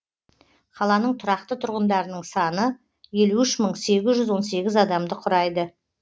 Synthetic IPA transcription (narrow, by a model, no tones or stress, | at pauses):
qʰɑlˠɑnəɴt̪ʰʊɾɑqt̪ət̪ʰʊɾʁənd̪ɑɾənəɴsɑnə | je̞luɪʃməɴse̞ɡʲɪzʒʏzwo̞nse̞ɡʲɪzɑd̪ɑmd̪əqʰʊɾɑjd̪ə